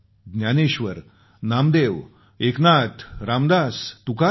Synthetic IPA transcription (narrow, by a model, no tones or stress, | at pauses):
ɡ̪njaneɕʋəɾ | namd̪eʋ | eknat̪ʰɾamd̪ast̪uka